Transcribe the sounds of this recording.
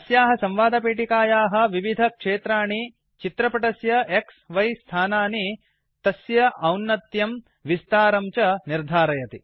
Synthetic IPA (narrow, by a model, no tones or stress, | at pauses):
ɐsjaːɦɐsɐ̃mʋaːd̪ʱɐpeːʈikaːjaːɦɐ̆ʋiʋid̪ʱɐkʂeːt̪ɾaːɳi | t͡ʃit̪ɾɐpɐʈɐsjɐʔeksʋɐjst̪ʰaːnaːni | t̪ɐsjɐʔɐwnːɐt̪jɐm | ʋist̪aːɾɐmt͡ʃɐniɾd̪ʱaːɾɐjɐt̪i